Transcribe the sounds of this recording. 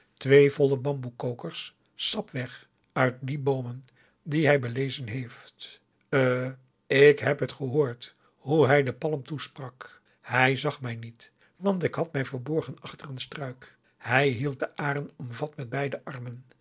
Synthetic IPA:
tʋejvɔləbɑmbukowkəɹsː | ɑpʋɛχ | œɥt̚dibowmən | diɦɛjbəlejzənɦejftː | ɪkɦɛpɦətχəɦoːɹt | ɦuɦɛjdəpɑləmtusprɑk | hɛjzɑχmɛjnit | ʋɑntɪkɦɑtmɛjvəɹbɔɹχənɑχtərənstrœɥk | hɛjɦilˠt̚dəʔaːrənɔmvɑtmɛd̚bɛjdəʔɑrmən

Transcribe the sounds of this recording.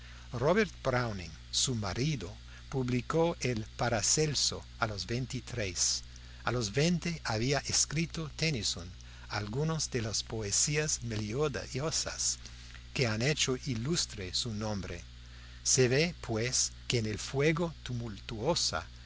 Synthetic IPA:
roβeɾt̪̚bɾawniŋ | sumaɾiðo | puβlikoʔelpaɾaselso | alozbejnt̪it̪ɾes | alozβent̪eaβiaʔeskɾit̪ot̪enison | a̰lɡunozd̪elaspoesiazmeljodosa̰s | keanet͡ʃoʔilust̪ɾesunõmbɾḛː | eβepʰweskeːnelfweɣot̪umult̪uosa̰

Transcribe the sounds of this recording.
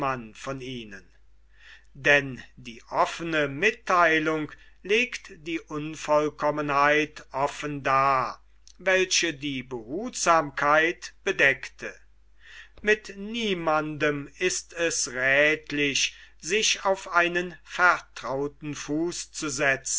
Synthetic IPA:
anfɔniːnən | dɛndiːʔɔfənəmɪtʰːaɪlʊŋk | leːktd̥iːʔʊnfɔlkɔmənhaɪtʔɔfəndaː | vɛlʃədiːbəɦuːtz̥aːmkʰaɪtb̥ədɛktʰə | mɪtniːmandəmɪstɛsʁɛːtlɪɕz̥ɪʃaʊfʔaɪnənfɛɐtʁ̥aʊtn̩fuːst͡suzɛt͡sn̩

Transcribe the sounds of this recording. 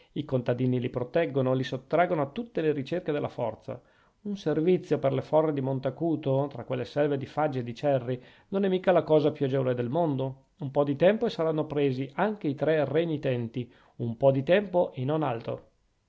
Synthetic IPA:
ikont̪ad̪iːnilipɾot̪ɛɡːonolisot̪ːɾaɡonoat̪ːut̪ːeleɾit͡ʃerked̪elːa̰fɔrt̪sa̰ | unservit̪sːjoperlefɔrːed̪imont̪akuːt̪ot̪ɾakːwelːesɛlved̪ifad͡ʒːed̪it͡ʃɛrːi | nonɛmːiːkalakɔːzapjuad͡ʒɛvoled̪elmond̪o | umpɔd̪it̪ɛmpoesaɾanːopɾeːziʔaŋk̟eit̪ɾɛrenit̪ɛnt̪i | umpɔd̪it̪ɛmpoʔenonalt̪ɾo̰

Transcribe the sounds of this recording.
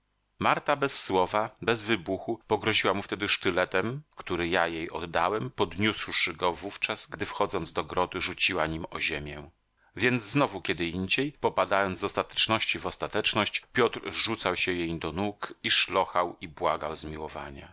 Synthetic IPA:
maɾt̪abɛsːwɔvabɛzvɘbuxupɔɡɾɔʑiwamuft̪ɛd̪ɘʂt̪ɘlɛt̪ɛmkt̪uɾɘjajejɔ̰d̪ːawɛmpɔd̪ɲuswʂɘɡɔvuft͡ʂasɡd̪ɘfxɔd̪zɔnzd̪ɔɡɾɔd̪ɘʐut͡ɕiwaɲimɔʑemʲjɛ̃ | vʲjɛnd̪zznɔvukʲɛd̪ɘiɲd͡ʑejpɔpad̪ajɔnd̪zzɔst̪at̪ɛ̥t͡ʂnɔɕt͡ɕivɔst̪at̪ɛt͡ʂnɔɕt͡ɕpʲjɔt̪ɾʐut̪sawɕɛjejd̪ɔnukiʂlɔxawibwaɡawzmʲiwɔva̰ɲa̰

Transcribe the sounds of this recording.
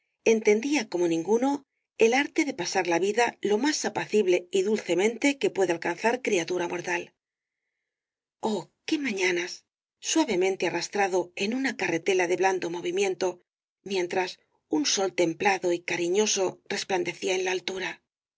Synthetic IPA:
e̞nt̪e̞nd̪iako̞mo̞nĩŋɡuno̞ | e̞laɾt̪e̞ðe̞pasaɾlaβiðalo̞masapaθiβle̞iðulθe̞mẽ̞nt̪e̞ke̞pwe̞ðealkanθaɾkɾiat̪uɾamʔo̞ɾt̪al | o̞ke̞mãɲanasː | waβe̞mẽ̞nt̪earast̪ɾaðo̞e̞nunakare̞t̪e̞laðe̞βland̪o̞mo̞β̞imjẽ̞nt̪o̞ | mje̞nt̪ɾas | unso̞lt̪e̞mplaðo̞ikaɾiɲo̞so̞re̞spland̪e̞θiaenlaːlt̪uɾa

